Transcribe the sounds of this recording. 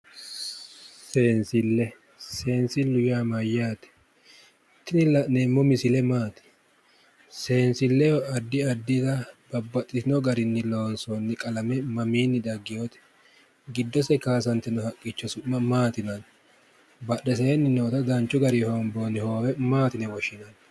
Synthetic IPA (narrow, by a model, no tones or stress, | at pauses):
se̞ːnsɪlːɛ | se̞ːnsɪlʊjaːmɐjːaːt̪ɛ̥ | t̪ːɪnɪlɐneːmːɔmɪsɪlɛmaːt̪ɛ̥ | se̞ːnsɪlːɛjɔɐd̪ːɪɐd̪ːɪt̪ɐbɐbːɐt̪ʼːɪt̪ɪnɔɡɐɾɪnːɪlo̞ːnsɔnːɪkʼɐlɐmɛmɐmiːnːɪd̪ɐɡːɪjot̪ɛ̥ | ɡɪd̪ːɔsɛkaːs̬ɐnt̪ːɛnɔhɐkʼːɪt͡ʃːɔsʊmːɐmaːt̪ɪnɐn | bɐɗːɛs̬eːnːɪnoːt̪ɐd̪ɐnt͡ʃːʊɡɐɾɪhɔnboːnːɪhoːwɛmaːt̪ɪnɛwɔʃɪnɐn